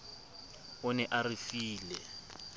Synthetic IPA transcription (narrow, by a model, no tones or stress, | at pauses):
ʊnɛʔarɪfiːlɛ